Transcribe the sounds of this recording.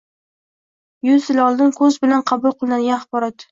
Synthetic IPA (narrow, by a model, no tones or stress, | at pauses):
jʊzɪlɒlˠd̪ɪnkʰɵzbɪlanqʰɑbʊlˠqʰɨlˠɪnanɡʲanaχbɒɾɒt̪